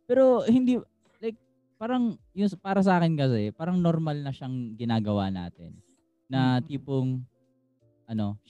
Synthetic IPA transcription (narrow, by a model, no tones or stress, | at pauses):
pɛːɾo̞hɪnd̪iː | lajk̚ | paːɾɐŋ | jʊŋspaːɾɐs̬ɐʔaːkɪnkɐs̬ɛpaːɾɐŋnoɾmɐlnɐʃaŋɡɪnaːɡɐwana̰ːt̪ɪ̰nː | ɐt̪iːpoŋ | ʔɐno̞